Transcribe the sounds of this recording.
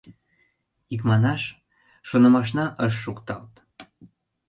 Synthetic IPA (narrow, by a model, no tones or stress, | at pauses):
ik̬mɑnɑʃ | ʃonə̆mɑʃ̬nɑʔəʃ̬ːukt̪ɑlt̪